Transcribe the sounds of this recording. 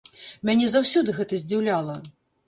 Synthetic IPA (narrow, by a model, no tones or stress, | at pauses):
mʲanʲɛzawsʲɔd̪ɨɣɛt̪ɐzʲd͡zʲiwlʲalˠɐ